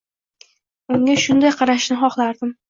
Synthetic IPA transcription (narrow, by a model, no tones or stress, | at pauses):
ʊŋaʃʊnd̪ajqʰɑɾaʃnɪχɒχlˠaɾd̪ɪm